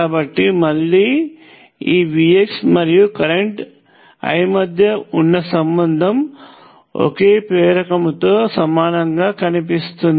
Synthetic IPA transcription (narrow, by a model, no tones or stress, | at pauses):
aːbɐʈːimɐlːiː | iːʋiːeksmɐɾijukɐɾeɳʈ | ɐ̰jmɐd̪ʱjɐunːɐsɐmbɐnd̪ʱɐm | o̰ke̞ːpɾɛːɾɐkɐmt̪o̞ːsɐmaːnɐŋɡaːkɐnip̬ist̪und̪